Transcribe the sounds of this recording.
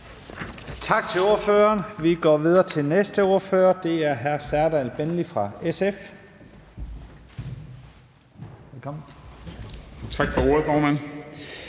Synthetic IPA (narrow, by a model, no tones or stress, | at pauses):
t͡sʰɑ̈ɡ̥̚t͡sʰe̝lo̝ɐføːɐːnʋiɡ̥ɒ̰ːʋið̞ˠɐːt͡sʰe̝lnesd̥əo̝ɐfø̰ːɐd̥e̝æɐɦæɐsæɐdælb̥enlifʁɑ̈esef | elkʰɒ̽mn̩ | t͡sʰɑ̈ɡ̥fɒo̝ɐfɒːmæn̰